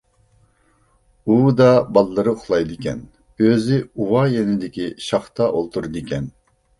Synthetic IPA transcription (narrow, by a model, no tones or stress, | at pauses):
ud̪ɑbɑlˠːɨɾɨχʰlˠɑjd̪ɨkʲɛ̰n | øzɪuwɑjenɪd̪ɪkʲiʃɑχt̪ʰɑʔolˠt̪ʰuɾɨd̪ɨkʲʰɛn